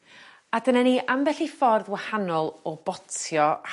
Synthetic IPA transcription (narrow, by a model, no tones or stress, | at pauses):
adənaniʔamvɛɬifɔrðwahanɔlˠɔb̥ɔtʰjɔ